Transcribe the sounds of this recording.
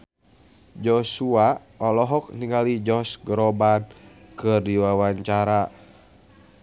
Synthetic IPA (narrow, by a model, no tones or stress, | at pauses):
d͡ʒɔsua | ɔlɔɦɔk̚niŋɡalid͡ʒɔsɡɾɔban | kɨrdiwawaɲt͡ʃaɾa